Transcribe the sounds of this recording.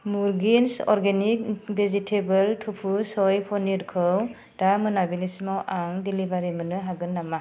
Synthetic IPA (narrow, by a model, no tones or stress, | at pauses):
muɾɡinsɔ̰ɾɡenik̚bʱezitʰebɯltʰupʰusɔjpʰɔniɾkʰɯw | d̥amɯnabilismawʔaŋdilibaɾimɯnɯɦaɡɯnːama